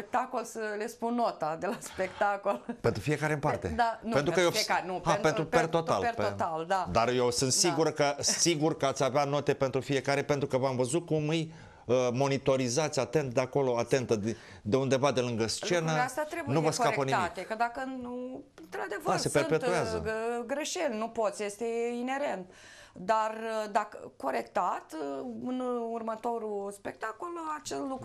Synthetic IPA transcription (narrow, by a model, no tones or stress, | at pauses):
pek̚t̪akolsəlespunːot̪ad̪e̞laspekt̪akolpe̞nt̪ɾufije̞kaɾeɨmpartt̪e̞̰d̪anpent̪ɾukəjofiekaɾnuantent̪ɾupert̪ot̪aleot̪ald̪ad̪arjewsɨnt̪siɡuɾkəsiɡurkəat̪sʲaveano̞t̪e̞pe̞nt̪ɾufije̞kaɾe̞pe̞nt̪ɾukəvamvəzut̪̚kumɨj | əmo̞nit̪o̞ɾizat̪sʲat̪e̞nt̪d̪eako̞lo̞at̪e̞nt̪əd̪ | d̪e̞und̪e̞vad̪e̞lɨŋɡəst͡ʃe̞nəeast̪at̪ɾe̞bujnuvəskaepənit̪aitk̪ekəd̪akənuɨnt̪ɾad̪e̞vəase̞speɨɾnpet̪uazəɡɾe̞ʃelʲnupo̞t̪sʲjest̪e̞ine̞ɾe̞nt̪ | d̪ard̪akəko̞ɾe̞kt̪at̪ɨnurmət̪o̞ɾuspek̚t̪akolat͡ʃesluk